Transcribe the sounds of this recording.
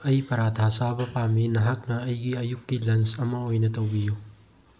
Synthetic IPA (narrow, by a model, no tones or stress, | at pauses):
ɐjpɐɾatʰasabɐpaminɐɦak̚nɐːjɡiɐjukːilɐnsɐmɐojnɐtowbiju